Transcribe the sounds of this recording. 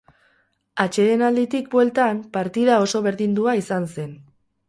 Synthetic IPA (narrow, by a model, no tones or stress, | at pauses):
at͡ʃe̞ðe̞nald̪it̪ik̚bwe̞lt̪ampaɾt̪iðao̞so̞βe̞ɾðind̪uaisanse̞n